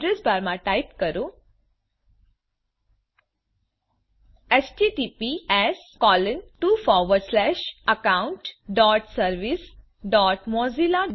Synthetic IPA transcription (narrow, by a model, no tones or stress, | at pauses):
ɾesbʱaɾmãʈaipkəɾũ | esʈiʈipiɛskɔːlənʈufɔʋəɾslɛʃəkaʊɳʈɖɔːʈsəɾʋis | ɖɔːʈmɔzila